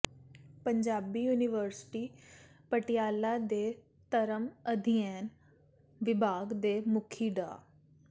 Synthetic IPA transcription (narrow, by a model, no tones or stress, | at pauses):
pəɲd͡ʒaːbiːjuːnɪʋəɾsʈiː | pəʈɪjaːlaːd̪eː | t̪əɾəməd̪ʱɪjɛːn | ʋɪbʱaːɡd̪eːmʊkʰiːɖa̰ː